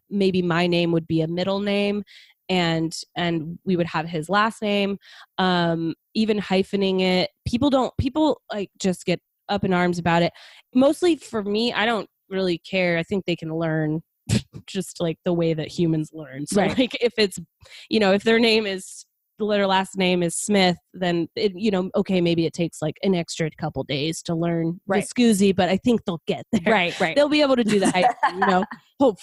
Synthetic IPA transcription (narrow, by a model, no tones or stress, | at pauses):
meɪbimaɪnẽɪ̃mwɨd̚biɨmɪɾl̩ˠnẽɪ̃m | ɨ̃nɨ̃nwiwɨd̚əv̥ɪzlæsnẽɪ̃mʌ̃m | ivɨ̃nhaɪfɨnɪ̃ŋɪt̚pʰipl̩ˠdõʊ̃npʰipl̩ˠlaɪk̚d̥ʒ̥ʌsɡ̥ɛɾ | ʌpɨ̃nɑɹmzɨbaʊɾɨt̚moʊstˡlifə˞miʔa̰ɪɾõʊ̃nt̚ɹɪlˠikʰɛɹaɪθɪ̃ŋk̚ðeɪkʰɨ̃n̩lɜ̃˞n̥ | d͡ʒ̥ʌstlaɪk̚ðəweɪðɨt̚hjʉmɨ̃nzlɜ̃˞nsoʊlaɪkɪfɪts | jɨñoʊɨfðə˞nẽɪ̃mɪz̥ | ðəlɛɾə˞læsnẽɪ̃mɨz̥smɪθðɨ̃nɪjɨnoʊʔoʊkʰeɪmeɪbiɨtʰeɪkslaɪkɨ̃nɛkstɹ̥ɨkʰʌpl̩ˠdeɪz̥tʰəlɜ̃˞nɹɨskʉzibʌɾaɪθɪ̃ŋk̚ðeɪlˠɡɛt̪̚ðəɹaɪt̚ɹaɪtðeɪlˠbieɪbl̩ˠtʰɨdɨðɨhaɪjɨnoʊ | hoʊpf